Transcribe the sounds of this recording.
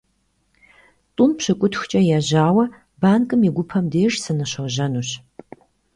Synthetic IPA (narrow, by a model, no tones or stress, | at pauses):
tʼʊmpɕɨkʷʼʊtxʷt͡ʃʼɐjaːʑaːwɐ | baːnkʼɨmiɡʷʊpʰɐmdeːʂsɨnɨɕɐʑɐnuɕ